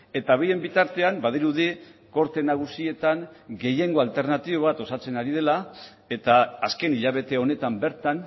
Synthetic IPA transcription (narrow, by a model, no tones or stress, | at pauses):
e̞t̪aβejembit̪aɾt̪e̞ambað̞iɾuðiko̞ɾt̪e̞naɣ̞usie̞t̪aŋɡe̞je̞ŋɡo̞alt̪e̞ɾnat̪iβo̞βat̪o̞sat͡se̞naɾið̞e̞la | e̞t̪aːske̞niʎaβ̞e̞t̪e̞o̞ne̞t̪ambe̞ɾt̪an